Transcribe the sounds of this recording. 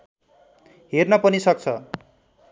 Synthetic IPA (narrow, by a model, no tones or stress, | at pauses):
ɦernʌpʌnisʌk̚t͡sʰʌ